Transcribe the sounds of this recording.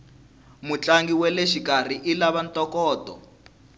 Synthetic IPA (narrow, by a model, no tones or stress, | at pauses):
mut͡ɬaŋɡiwɛlɛʃikar̤iʔilaβantɔkɔːtɔ̰